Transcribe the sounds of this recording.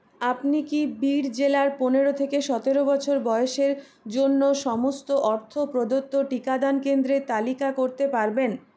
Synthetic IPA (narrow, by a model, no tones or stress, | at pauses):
apnikibiɾd͡ʑelaɾponeɾot̪ʰekeʃɔt̪eɾobɔt͡ɕʰoɾbɔeoʃeɾ | d͡ʑonːoʃɔmost̪oʔɔɾt̪ʰopɾod̪ot̪ːoʈikad̪ankend̪ɾet̪alikakoɾt̪epaɾben